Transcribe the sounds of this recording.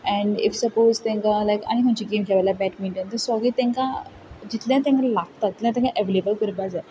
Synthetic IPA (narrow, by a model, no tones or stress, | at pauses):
ɛ̃ɳḭfsəpozt̪ẽŋkalajka̰ñikʰə̃nt͡ɕiɡemkʰeʋajlabɛʈmĩɳʈẽnt̪əɾsɔɡiːt̪ẽŋkã | d͡ʑit̪ljãt̪̬ɛ̃ŋkalaɡ̚t̪ad͡ʑit̪lj̃ãt̪ɛ̃ŋkaʔeʋelebəlkəɾbad͡za